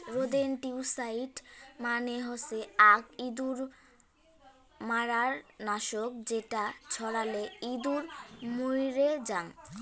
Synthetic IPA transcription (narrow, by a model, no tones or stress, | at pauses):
ɾod̪enʈiusaiʈmaneɦoseakid̪uɾ | maɾaɾnaʃok̚d͡ʑeʈat͡ɕʰɔɽaleid̪uɾmujɾed͡ʑan